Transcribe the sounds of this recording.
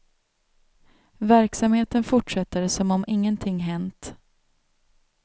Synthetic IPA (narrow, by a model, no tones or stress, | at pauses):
væɾksamheːt̪ənfʊʈʂɛt̪ːəɾsɔmɔmɪŋːənt̪ʰɪŋːɦɛnt̪